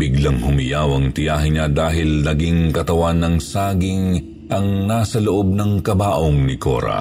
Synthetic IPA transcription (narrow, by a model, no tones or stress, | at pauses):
biɡlɐŋhʊmɪjawɐŋt̪ɪjaːɦɪɲad̪aːɦɪlnɐɡiŋkɐt̪ɐwanːɐŋsaːɡɪŋ | ʔɐŋnaːsɐloʔo̞b̚nɐŋkɐbaːʔoŋnɪko̰ːɾɐ̰